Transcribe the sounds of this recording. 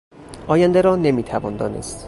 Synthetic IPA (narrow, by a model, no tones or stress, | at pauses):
ʔɒːjænd̪eɾɒːnemiːt̪ʰævɒːnd̪ɒːnḛst̪